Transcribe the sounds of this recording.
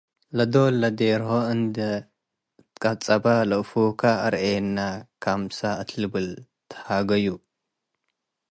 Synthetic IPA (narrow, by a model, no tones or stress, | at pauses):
lɐd̪olɐd̪eɾhoɨnd̪ɐ | kʼɐt͡sʼɐbalɨʔfukʰaɐɾʔenːakʰamsaɨt̪ʰlɨbɨl | t̪ʰhaɡɐju